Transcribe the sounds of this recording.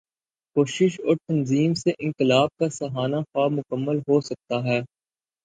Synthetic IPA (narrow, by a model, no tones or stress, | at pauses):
koːʃɪʃɔːɾt̪ɐnziːmseʔɪ̃ŋkɪlaːb̚kasɐɦaːnaxaːbmʊkəmːəlɦosɐk̚t̪aɦɛː